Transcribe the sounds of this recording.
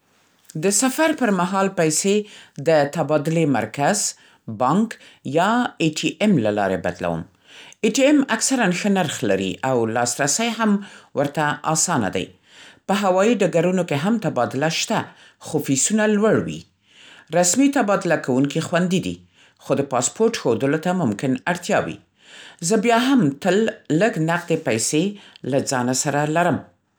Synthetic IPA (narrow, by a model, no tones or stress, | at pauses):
d̪əsafaɾpəɾmaɦɑlpajsed̪ət̪abɑd̪ɪlema̰ɾkaz | bɑŋkjɑeʈʰiʔemlalɑ̰ɾeba̰d̪la̰wə̰m | eʈiemaksaɾanxənaɾxla̰ɾḭʔawlɑsɾasəjɦamwəɾt̪aʔɑsɑna̰d̪a̰j | pəɦawɑjiɖaɡaɾunokeɦamt̪abɑd̪ɪlaʃt̪a | xofisunalwaɽwḭ | ɾasmit̪abɑd̪ɪlakawuŋkixwand̪id̪ḭ | xod̪əpɑspoɾʈxod̪əlot̪amʊmkɪnaɽt̪jɑwḭ | zəbjɑɦamt̪əlːəɡnaq̚d̪epajselad͡zɑnasaɾalaɾəm